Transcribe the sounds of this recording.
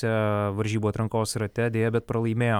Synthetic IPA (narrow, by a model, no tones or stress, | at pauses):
ɛʋɐɾʲʒʲiːbuːt̪ɾɐŋkoːsɾɐt̪ʲɛd̪ʲeːjɛbʲɛt̪̚pɾɐlˠɐɪmʲeːj